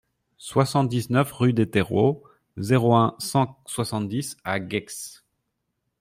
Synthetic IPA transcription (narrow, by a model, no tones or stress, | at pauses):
swasɑ̃t̪̚d̪iznœfʁyd̪et̪eʁo̰ | zeʁoɛ̃sɑ̃swasɑ̃t̪̚d̪isaɡɛks